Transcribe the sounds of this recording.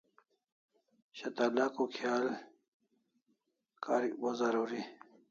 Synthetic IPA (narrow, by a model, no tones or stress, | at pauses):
ɕɐt̪alakokʰjaːl | kaːɾiwozaɾuːɾi